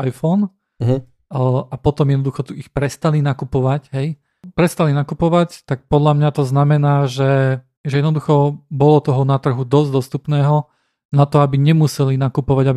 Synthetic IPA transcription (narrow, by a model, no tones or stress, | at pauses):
ajfɔːn | ʔapɔt̪ɔmjɛd̪nɔd̪uxɔt̪uixpɾɛst̪alinakupɔʋacɦɛj | pɾɛst̪alinakupɔʋact̪ak̚pɔd̪ʎamɲat̪ɔznamɛnaːʒɛ | ʒɛjɛd̪nɔd̪uxɔbɔlɔt̪ɔɦɔnat̪r̩ɦud̪ɔzd̪ɔst̪upnɛːɦɔ | nat̪ɔabiɲɛmusɛlinakupɔʋaɟabi